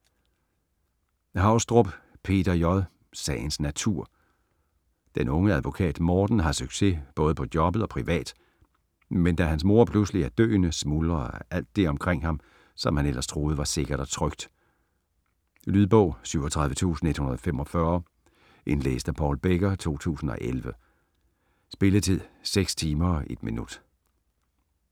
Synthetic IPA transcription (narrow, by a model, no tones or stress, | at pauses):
hɑ̈ʊsd̥ʁɔb̥pʰe̝̰ːd̥ɐjɒðˠ | sɛ̰ɪn̩snæt͡sʰuɐ̰ | d̥enɔ̽ŋəæðˠʋo̝kʰɛ̰ːd̥mɒːd̥n̩ɦɑ̈syɡ̥se̝b̥ɔ̽ːð̞ˠəpʰɒ̽d̥jɒ̽b̥əð̩ˠɒ̽pʰʁiʋɛ̰ːd̥ | mend̥æɦænsmo̝ɐ̰pʰlusliæɐd̥ø̰ːnəsmulɐʔæl̰d̥ːe̝ɒ̽mkʰʁeŋ̰hɑ̈m | sɒ̽mhænel̰ʔɐst͡sʰʁo̝ːð̞̩ˠəʋɑ̈se̝ɡ̥ɐɾ̥ɒ̽t͡sʰʁœɡ̥̚d̥ | lyðˠb̥ɔ̽ʊ̰syʊ̰ɒt͡sʰʁäð̞ˠʋət͡sʰṵːsn̩e̝d̥hunɐð̞ˠɒfemɒ̽fɶɐ | ʔe̝nlḛːsd̥æpʰɒʊlb̥eɡ̥ɐt͡sʰo̝̰ːt͡sʰṵːsn̩ɒ̽ʔelʋə | sb̥e̝lət͡sʰið̰ˠseɡ̥st͡sʰiːmɐɒʔe̝d̥minud̥